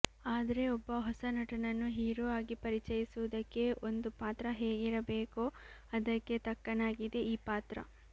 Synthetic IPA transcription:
aːd̪ɐɾe̞ɔbːɐɦɔsɐnɐʈɐnɐnːuɦiːɾuaːɡipɐɾit͡ʃɐjisuʋud̪ɐkːe̞ond̪upaːt̪ɾɐɦeːɡiɾɐbe̞ːkuɐd̪ɐkːe̞t̪ɐkːɐnaːɡid̪e̞ʔiːpaːt̪ɾɐ̰

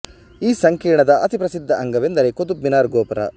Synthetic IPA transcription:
iːsɐŋkiːɳɐd̪ɐʔɐt̪ipɾɐsid̪ʱːɐʔɐŋɡɐʋend̪ɐɾeːkod̪ubːinaːɾɡoːpɐɾɐ̰

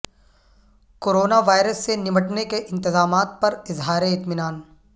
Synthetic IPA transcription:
koːɾoːnaʋaːɪɾəsːenɪməʈnekeʔɪ̃nt̪ɪzaːmaːt̪̚pɐɾɪzɦaːɾeɪt̪mɪnaːn

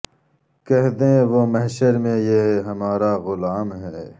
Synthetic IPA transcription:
kɛɦd̪ẽʋoːmɐɦʃəɾmẽjeɦɦɐmaːɾaɣʊlaːmɦɛː

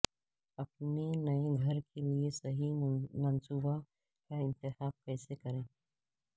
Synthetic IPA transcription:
ɐp̚nenɐeɡʱɐɾkʰeliesɐɦimɐnsuːba | kaɪ̃nt̪ɪxaːb̚kɛːsekɐɾẽː

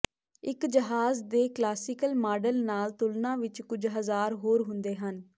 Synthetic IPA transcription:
ɪkd͡ʒəɦaːzd̪eːklaːsɪkəlmaːɖəlnaːlt̪ʊlnãːʋɪt͡ʃkʊd͡ʒɦəzaːɾɦoːɾɦʊ̃nd̪eːɦən

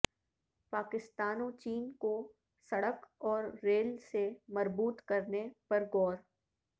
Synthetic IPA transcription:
paːkɪst̪aːnõt͡ʃiːnko | sɐɽəkɔːɾːeːlsemɐɾbuːt̪kɐɾnepɐɾɡɔːɾ

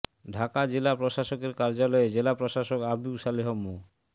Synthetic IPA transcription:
ɖʱakad͡ʑelapɾoʃaʃokeɾkaɾd͡ʑalɔed͡ʑelapɾoʃaʃokabiuʃaliɦomo

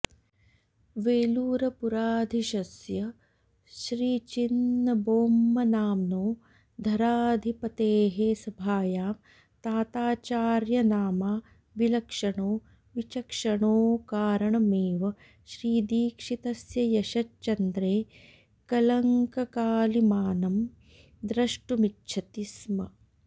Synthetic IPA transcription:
ʋeːluːɾɐpuɾaːd̪ʱiʃɐsjɐ | ʃɾiːt͡ʃinːɐboːmːɐnaːmnoː | d̪ʱɐɾaːd̪ʱipɐt̪eːɦeːsɐbʱaːjaːm | t̪aːt̪aːt͡ʃaːɾjɐnaːmaː | ʋilɐkʂɐɳoː | ʋit͡ʃɐkʂɐɳoːkaːɾɐɳɐmeːʋɐ | ʃɾiːd̪iːkʂit̪ɐsjɐjɐʃɐtt͡ʃɐnd̪ɾeː | kɐlɐŋkɐkaːlimaːnɐm | d̪ɾɐʂʈumitːt͡ʃʰɐt̪ismɐ

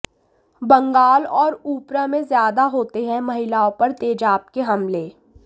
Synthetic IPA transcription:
bɐ̃ŋɡaːlɔːɾuːpɾamẽzjaːd̪aɦoːt̪eɦɛ̃mɐɦɪlaːõpɐɾt̪eːd͡ʒaːp̚keɦɐmleː

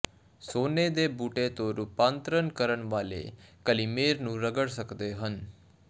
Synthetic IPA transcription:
soned̪ebuʈet̪oɾupãːnt̪ɾənkəɾəɳʋalḛkəlimeɾnũɾəɡəɽsəkd̪eɦən

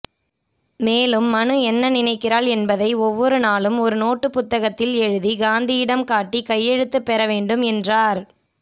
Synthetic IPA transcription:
meːlɯmːɐnɯɛnːɐnɪnɐɪkːɪɾaːɭɛnbɐðɐɪɔʋːɔɾɯnaːlɯmɔɾɯnoːʈːɯpʊt̪ːɐɣɐt̪ːɪlɛɻɯðiɡaːnd̪ɪjɪɽɐmkaːʈːikɐjːɛɻɯt̪ːɯpːɛɾɐʋeːɳɖɯmɛndraːɾ

